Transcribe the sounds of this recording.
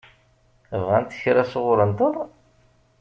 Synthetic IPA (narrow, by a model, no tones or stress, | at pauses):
əvʁænt̪ːə̥çɾæsoʁʊɾənt̪əðˤ